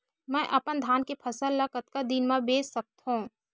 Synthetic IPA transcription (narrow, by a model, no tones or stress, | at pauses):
mɛ̃ːʔɐpənd̪ʱaːnkepʰɐsəlːəkət̪kad̪inmãbeːsːɐk̚t̪ɦũː